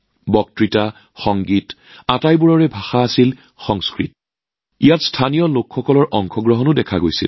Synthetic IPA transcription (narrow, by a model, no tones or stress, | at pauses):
bɔk̚tɹita | xɔŋɡit | atajbuɹɔɹɛbʱaxaːsil | xɔŋskɹit | ijatstʰanijɔlokxɔkɔlɔɹʔɔŋxʰɔɡɹɔɦɔnʊdɛkʰaɡojsḭl